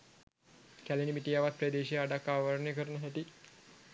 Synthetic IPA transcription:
kælenimiʈijaʋat̪̚pɾed̪eːʃijaɖakːaːʋəɾɳəjəkəɾənəɦæʈi

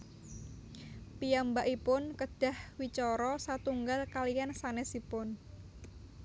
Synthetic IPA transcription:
pijambaʔipʊnkəɖ̥a̤hwit͡ʃɔɾɔsat̪uŋɡalkalijansanɛsipʊn

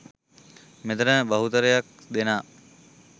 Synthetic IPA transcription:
met̪ənəbɐɦut̪əɾəjak̚d̪enaː

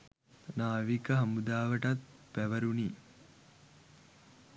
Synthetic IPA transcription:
naːʋikəɦɐmud̪aːʋəʈat̪ | pæʋəɾuni

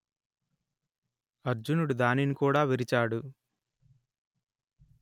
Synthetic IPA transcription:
ɐɾd͡ʒunuɽud̪aːninikuːɽaːʋeɾit͡ʃaːɽu

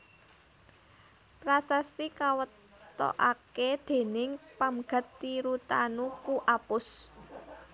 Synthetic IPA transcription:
pɾasast̪ikawət̪ː | ɔ̰ʔaked̪̥e̤nɪŋpamɡ̥a̤t̪ːiɾut̪anukuʔapʊs

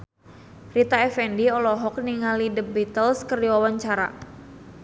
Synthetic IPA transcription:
rit̪aɛfɛndiɔlɔɦɔk̚niŋalidəbit̪əlskərdiwawaɲt͡ʃaɾa̰

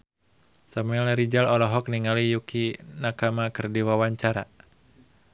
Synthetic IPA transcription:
samuɛlɾid͡ʒalɔlɔɦɔk̚niŋalijukinakamakərdiwawaɲt͡ʃaɾa

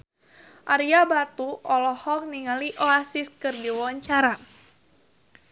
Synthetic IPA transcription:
ʔaɾiabat̪uɔlɔhɔk̚niŋaliʔɔasiskɨrdiwɔwaɲt͡ʃaɾa

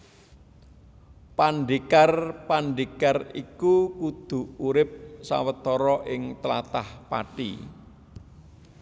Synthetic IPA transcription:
panɖikarpanɖikarikukud̪̥ṳuɾɪp̚sa̰wət̪ɔɾɔʔɪŋt̪əla̰t̪ahpa̰ʈḭ

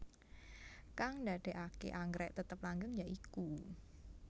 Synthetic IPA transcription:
kaŋndaɖ̥e̤ʔakḛʔaŋɡɾɛʔt̪ət̪əplaŋɡəŋjaʔiku

